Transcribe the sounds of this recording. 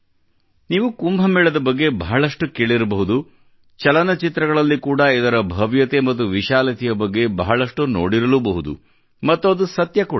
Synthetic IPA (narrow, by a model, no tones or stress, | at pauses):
niːʋukumbʱɐmɛːɭɐd̪ɐbɐɡːe̞bʱɐɦɐɭɐʂʈukeːɭiɾɐbɐɦud̪u | t͡ʃɐlɐnɐt͡ʃit̪ɾɐɡɐɭɐlːikuːɽɐid̪ɐɾɐbʱɐʋjɐt̪emɐt̪ːuʋiʃaːlɐt̪ijɐbɐɡːe̞bʱɐːɦɐɭɐʂʈuno̰ːɽiɾɐlubɐɦud̪ṵ | mɐt̪ːoːɐd̪usɐt̪jɐkuːɽ